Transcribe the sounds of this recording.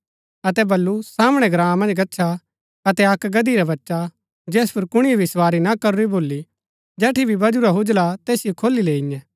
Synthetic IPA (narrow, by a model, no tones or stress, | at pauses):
ɐt̪ɛbɐlːusaːmɽ̃ɛɡɾãːãmɐ̃nd͡ʒɡɐtːʃʰa | ɐt̪ɛɐkɡɐd̪iɾabɐtːʃa | d͡ʒɛːspʰʊɾkʊɽ̃ijobɪswaːɾinakɐɾuɾiboːlːi | d͡ʒɛːʈʰibʱibɐd͡ʒuɾaɦʊd͡ʒlat̪eːsijokʰoːlileːɪɲɛ̃